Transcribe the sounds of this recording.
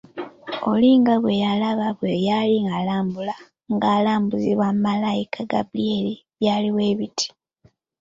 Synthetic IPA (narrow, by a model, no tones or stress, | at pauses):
o̞̰liːŋɡaβwe̞jalaβaβwejaliŋɡalaːmbula | ŋɡaːlaːmbuziβwamumalajikʰaɡa̰blieliβjaːliwe̞ːβitʰi̥